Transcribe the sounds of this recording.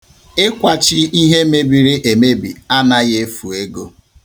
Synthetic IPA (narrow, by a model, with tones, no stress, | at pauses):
e˦kʷa˦t͡ʃɪ˦i˦ɦe˦me˦bi˨ɾi˦ʔe˨me˦bi˨a˦na˦ɣe˦fu˨e˦ɡo˦